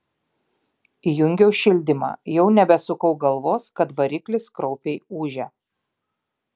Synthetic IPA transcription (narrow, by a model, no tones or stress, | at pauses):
ijʊŋʲɡʲɛʊʃʲɪlʲd̪ʲɪmɑ̰ːjɛʊnʲɛbʲɛsʊkɐʊɡɐlˠʋoːskɐt̪ʋɐɾʲɪklʲɪskɾɔʊpʲeɪuːʒʲɛ